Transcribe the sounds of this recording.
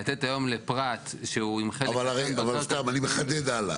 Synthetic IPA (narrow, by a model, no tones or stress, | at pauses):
at̪etajo̞mlepʁat̪ʃeuimχeavalaʁejavalst̪amanimeχad̪ed̪ala̰